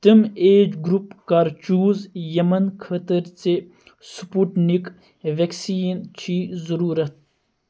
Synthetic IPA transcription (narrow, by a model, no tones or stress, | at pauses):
t̪əmeːd͡ʒɡɾupkɐɾt͡ʃuːzjɐmɐnkʰɐt̪əɾt͡se | supuʈnik | ʋeksiːnt͡ʃʰizɐɾuːɾɐt̪̚ʰ